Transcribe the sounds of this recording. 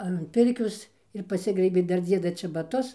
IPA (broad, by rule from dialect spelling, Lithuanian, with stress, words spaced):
ɐn ˈpʲɪrʲkʲoːs ɪr pɐˈsʲɪɡrɐɪbʲeː ˈdɐr ˈd͡zʲiɛdɐ t͡ʃʲɛbɐˈtʊs